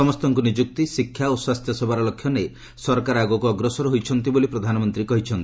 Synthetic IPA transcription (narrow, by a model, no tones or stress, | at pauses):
ɔmɔst̪ɔŋkunid͡ʒuk̚t̪isikʰjaoswast̪ʰjɔsebʱaɾɔlɔkʰːjɔne | sɔɾkaɾaɡukuɔɡɾɔsɔɾɦojt͡ʃʰɔnt̪ibolipɾɔd̪ʱanɔmɔnt̪ɾikɔɦit͡ʃʰɔnt̪i̥